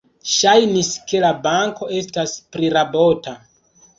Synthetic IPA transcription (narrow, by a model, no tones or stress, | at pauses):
ʃajniske̞labaŋko̞e̞staspɾiɾabo̞ta